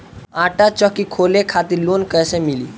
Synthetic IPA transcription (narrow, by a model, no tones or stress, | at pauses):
ãʈat͡ʃəkikʰolekʰat̪iɾlonkəjsemili